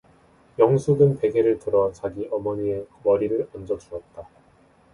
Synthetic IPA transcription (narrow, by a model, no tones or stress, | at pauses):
jʌŋsʰuɡɯnpe̞ɡe̞ɾɯɭtɯɾʌt͡ɕaɡiʔʌmʌɲie̞wʌɾiɾɯɾʌnd͡ʑʌt͡ɕuʌt̚t͈a